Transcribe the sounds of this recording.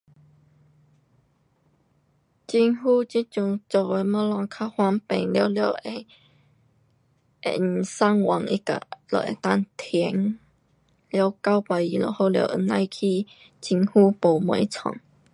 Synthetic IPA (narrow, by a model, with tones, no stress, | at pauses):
t͡ɕi˧nɦuː˦t͡ɕi˦t͡ɕju˧˩ŋt͡so˨˩e˧mə̃˧˦lɔ˧ŋkʰa˧˥hwa˧mpẽ˨˩ŋla˧˦ljə˧˨e˧ | ʔḛ˨nsa˦ŋwa˨˦ŋi˦ka̰˨lə̰˨ʔḛ˨t̪a˦˧˨ŋt̪ʰɛ˧˦ŋ | lja˧˦wka˦wpa˨˧ji˧˨lo̰˨ho˧˦ljə̰˧˨ʔnã˧jkʰi˦ | t͡ɕi˧ŋhu˦po˨˩mɔ̃˨˧˨i˦t͡sʰɔ̰˨ŋ